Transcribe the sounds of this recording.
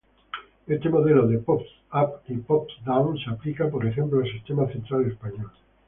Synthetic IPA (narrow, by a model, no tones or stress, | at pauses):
est̪emoðeloðepops | apipɔpd̪awsaplikapoɾeʃemploasist̪emaθẽnt̪ɾalespaɲɔl